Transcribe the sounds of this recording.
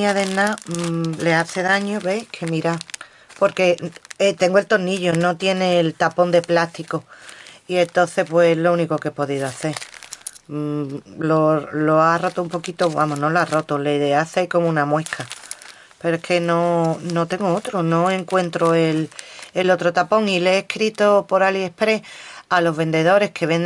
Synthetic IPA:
aðenãle̞aθeðaɲoβe̞kʰemiɾa | po̞ɾke̞et̪e̞ŋɡoe̞lt̪o̞niʎono̞t̪je̞neːlt̪apo̞nd̪e̞plaht̪ikoie̞nt̪o̞θe̞pweelo̞uniko̞kepo̞ðiðoaθe̞ɾ | loloaro̞t̪oumpo̞kit̪oβa̰moɦno̞loaro̞t̪oleðeaθejko̞moũnamwe̞kʰa | pe̞ɾoekʰe̞nono̞t̪e̞ŋɡoot̪ɾono̞eŋkwe̞nt̪ɾoelelo̞t̪ɾot̪apo̞ŋileːhkɾit̪opo̞ɾalie̞hpɾe̞alo̞ɦβe̞nd̪e̞ðo̞ɾe̞hkʰe̞βen

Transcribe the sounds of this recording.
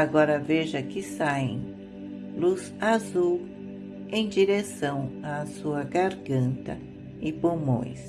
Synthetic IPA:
aɡɔɾɐveʒɐkɪsaẽj̃ | luz | azuw | ẽj̃d͡ʒiɾesɐ̃w̃asuɐɡaɾɡɐ̃nt̪ɐ̰ | ɪpomõ̰j̃s

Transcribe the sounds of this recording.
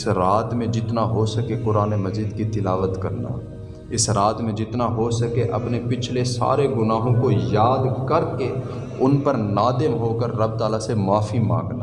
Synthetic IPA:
ɪsɾaːt̪mẽd͡ʒɪt̪naɦosəkekʊɾaːnemɐziːd̪kit̪ɪlaːʋət̪kɐɾna̰ | ɪsɾaːt̪mẽd͡ʒɪt̪naɦosəkeʔɐ̰pnepɪt͡ʃʰlesa̰ːɾeɡʊnaːɦõkojaːd̪kɐɾke | ʊnpəɾnaːd̪ɪmɦoːkəɾːɐb̚t̪aːlasemaːfimã̰ːŋɡna

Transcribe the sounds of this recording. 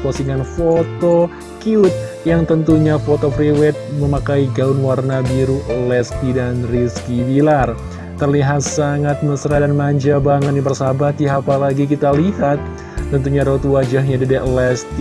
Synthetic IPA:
kosiŋanfot̪o | kiʊt̪̚ | jaŋt̪ənt̪uɲafot̪opɾiwɛt̪̚məmakaiɡaʊnwarnabiɾuʔlɛskidanriskibilar | t̪ərliɦat̪̚saŋat̪̚məsɾadanmaɲd͡ʒabaŋət̪̚nibərsabaht̪iapalaɡik̬it̪alihat̪̚ː | ənt̪uɲaɾot̪uwad͡ʒaɦɲadidɛʔlɛst̪i

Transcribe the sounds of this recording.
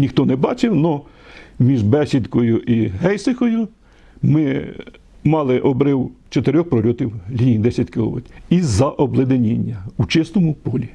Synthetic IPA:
nʲixt̪ɔnɛbɑt͡ʃɪwnɔ | mʲiʒbɛsʲid̪kɔjʊʔiɦɛjsɪxɔjʊ | mɪ | mɑlˠɪʔɔbɾɪwt͡ʃɔt̪eɾʲɔxpɾɔlʲɔt̪ʲiwlʲinʲijd̪ɛsʲjɐtʲkɪlˠɔ̰ʋɪ̰t̪ʲizɐʔɔblˠɪd̪enʲinʲːɐut͡ʃɪst̪ɔmʊpɔlʲi

